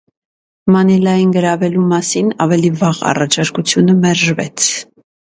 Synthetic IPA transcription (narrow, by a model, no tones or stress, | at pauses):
mɑnilɑjinɡəɾɑvɛlumɑsinɑvɛlivɑʁɑ̰rɑt͡ʃʰɑɾkut͡sʰjunəmɛɾʒvɛ̰t͡sʰ